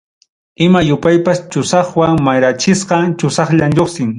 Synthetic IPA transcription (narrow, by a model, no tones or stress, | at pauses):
ɪmajʊpajpast͡ʃʊsɑχwaŋmajɾat͡ʃɪsqɑt͡ʃʊsɑχʎamʎoχsɪŋ